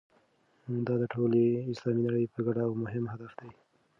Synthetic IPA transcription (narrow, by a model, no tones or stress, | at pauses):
d̪ɑd̪əʈʰoleɪslɑminaɽəjpəɡaɽaːwmʊɦɪmɦad̪afd̪aj